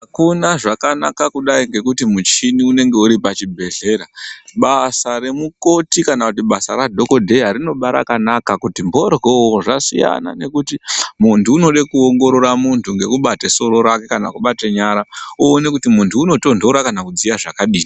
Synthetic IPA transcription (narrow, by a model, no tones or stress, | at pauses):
akunaʐakanakakuɗaiŋɡe̞kutimut͡ʃiniune̞ŋɡe̞uɾipat͡ʃibʱe̞ɮe̞ɾaɓasaɾe̞muko̞tikanakutiɓasaɾadʱo̞ko̞dʱe̞aɾino̞ɓaɾa̰kanakakutimbo̞rɣooʐasḭja̰na̰ne̞kutimuntʰuːno̞ɗekuoŋɡo̞ɾo̞ɾamuntʰuŋɡe̞kuɓateso̞ɾo̞ɾake̞kana̰kuɓateɲaɾauone̞kutimuntʰuːno̞to̞ndʱo̞ɾakanakud͡zijaʐakaɗiːni